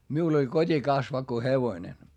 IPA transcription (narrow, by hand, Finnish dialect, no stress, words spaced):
miul olʲ kotʲikɑsʋɑkːo heʋoĭne